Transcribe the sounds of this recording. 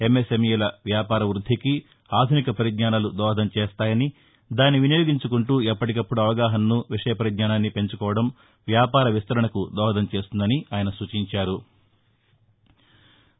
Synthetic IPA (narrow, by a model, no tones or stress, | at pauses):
e̞mːesemijɛlɐʋjaːpaːɾɐʋɾud̪ʱːiki | aːd̪ʱunikɐpɐɾid̪ɲaːnaːlud̪ɔːɦɐd̪ɐmt͡ʃeːst̪aːjɐni | d̪aːnːiʋinjoːɡiɲt͡ʃukuɳʈuːɛpːɐʈikɐpːuɽuɐʋɐɡaːɦɐnːuʋiʂɐjɐpɐɾid̪ɲaːnaːnːipe̞ɲt͡ʃukɔːʋɐɽɐm | ʋjaːpaːɾɐʋist̪ɐɾɐɳɐkud̪ɔːɦɐd̪ɐmt͡ʃe̞ːst̪und̪ɐniaːjɐnɐsuːt͡ʃiɲt͡ʃaːɾu